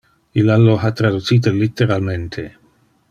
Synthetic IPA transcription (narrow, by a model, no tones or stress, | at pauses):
ilaloɦat̪ɾad̪ut̪siːt̪elit̪ːeɾalment̪ʰe